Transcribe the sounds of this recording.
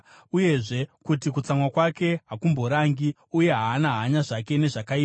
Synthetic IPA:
uje̞ʐe̞kutik̬ut͡samwakwake̞ɦakumbo̞ɾaŋɡi | uje̞ɦaːnaɦːɲaʐake̞ne̞ʐakai

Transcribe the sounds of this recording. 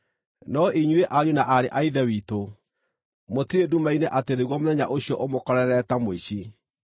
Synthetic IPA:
nɔʔiɲweʔaɾjunaʔaɾeʔaiðɛwiːto | motiɾedumaineʔateɾeɣwɔmonɛɲa̰ʔoɕijɔʔomokɔɾɛɾɛtamoiɕi

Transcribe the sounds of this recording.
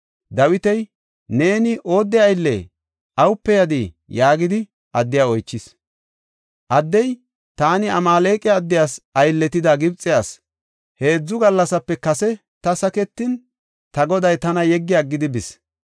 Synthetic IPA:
d̪ɐwɪt̪ɛj | ne̞ːnɪʔo̞ːd̪ːɛɐjlːḛ | ʔɐwʊpːɛjɐd̪i | jaːɡɪd̪ɪ | ʔɐd̪ːɪjaːɔjt͡ʃːɪs | ʔɐd̪ːɛj | t̪aːnɪɐmaːle̞ːkʼɪɐd̪ːɪjaːsɐjlːɛt̪ɪd̪aːɡɪbt͡sʼːɪjaːs | he̞ːd͡zːʊɡɐlːɐsɐpːɛkɐsɛ | t̪ɐsɐkɛt̪ːɪn | t̪ɐɡɔd̪ɐjt̪ɐnɐjɛɡːɪjaɡːɪd̪ɪbɪs

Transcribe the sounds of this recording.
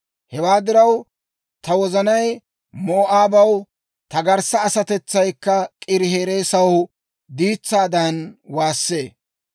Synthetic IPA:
hɛwaːd̪ɪɾɐw | t̪ɐwɔzɐnɐj | moːʔaːbɐw | t̪ɐɡɐɾsɐːsɐt̪ɛt͡sːɐjkːɐkʼɪɾɪɦe̞ːɾe̞ːsɐw | d̪iːt͡sːaːd̪ɐnwaːsːe̞ː

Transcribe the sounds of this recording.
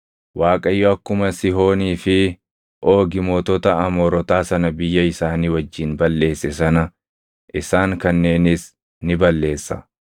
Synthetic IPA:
waːkʼɐjːɔɐkːʊmɐsɪɦo̞ːniːfɪ | ʔo̞ːɡɪmoːt̪ɔt̪ɐɐmoːɾɔt̪aːsɐnɐbɪjːɐɪsaːniːwɐd͡ʒːiːnbɐlːe̞ːsːɛsɐnɐ | ʔɪsaːŋkɐnːe̞ːnɪs | nɪbɐlːe̞ːsːɐ

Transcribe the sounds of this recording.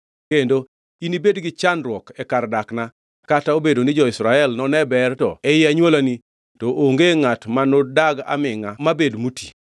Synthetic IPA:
kendo | inibedɡɪt͡ʃanɾwɔkɛkardakna | kataobedonid͡ʒɔɪsɾaɛlnɔnɛbɛrtɔɛjɪaɲwolani | toʔoŋɡeŋatmanodaɡa̰mɪŋamabedmutʰḭ

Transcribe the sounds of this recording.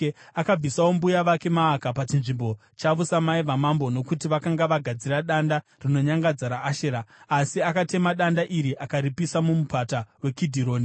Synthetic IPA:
akab͡visawo̞mbujaʋake̞maːkapat͡ʃinʐimbo̞ | t͡ʃaʋusamaiʋamambo̞no̞kutiʋakaŋɡaʋaɡʱad͡ziraɗanda | rino̞ɲaŋɡad͡zaɾaːʃeɾaːsiakate̞maɗandaʔiɾiʔakaɾipisamumupatawe̞kidʱiɾo̞ːni

